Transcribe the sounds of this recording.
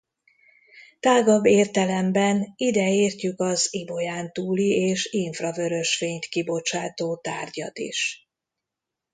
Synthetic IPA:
t̪aːɡɒbːeːrt̪ɛlɛmbɛnid̪ɛeːrcykɒzibo̞jaːnt̪uːlieːʃiɱfrɒvø̞ɾøʃʋeːɲt̪kibo̞t͡ʃaːt̪oːt̪aːrɟɒt̪ḭʃ

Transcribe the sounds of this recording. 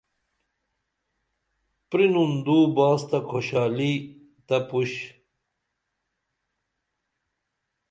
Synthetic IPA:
pɾinund̪uːbaːst̪ɐkʰoɕaːli | t̪ɐpuɕ

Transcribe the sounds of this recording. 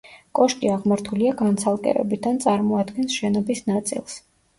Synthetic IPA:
kʼɔʃkʼiaʁmaɾt̪ʰuliaɡant̪sʰalˠkʼɛ̰ɾɛ̰bid̪ant̪sʼaɾmɔad̪ɡɛnsʃɛnɔbisnat̪sʼḭlˠs

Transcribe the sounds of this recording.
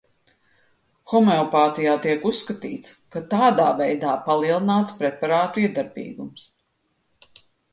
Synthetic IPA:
xɔmeɔpaːt̪ijaːt̪iɛkusːkat̪ḭːt̪skat̪aːd̪aːvɛjd̪aːpalˠiɛlˠinaːt̪spɾɛpaɾaːt̪uiɛd̪aɾbḭːɡums

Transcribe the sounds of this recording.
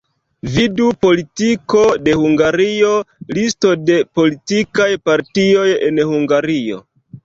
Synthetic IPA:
vidupo̞litiko̞de̞huŋɡaɾio̞listo̞de̞po̞litikajpaɾtio̞je̞̰nhuŋɡaɾio̞̰

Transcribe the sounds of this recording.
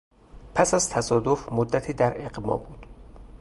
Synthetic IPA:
pʰæsæzt̪ʰæsɒːd̪ofmod̪ːæt̪ʰiːd̪æɾeɢmɒ̰ːbuːd̪̥

